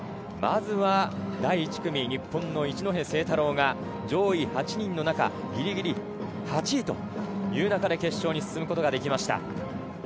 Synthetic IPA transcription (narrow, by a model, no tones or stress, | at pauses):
ma̰zɨβad̪aiːt͡ɕi̥kɯ̟mʲiɲ̟ipːõ̞nːo̞it͡ɕino̞ɦẽ̞se̞ːt̪aɾo̞ːŋa | d͡ʑo̞ːihat͡ɕiɲ̟ĩnːo̞naka̰ | ɡʲiɾʲiɡʲiɾʲi | hat͡ɕit̪o̞̰ | jɯ̟ːnakad̪e̞ke̞ɕːo̞ːɲ̟isɨ̥sɨmɯ̟ko̞t̪o̞ɡad̪e̞kʲimaɕi̥t̪a̰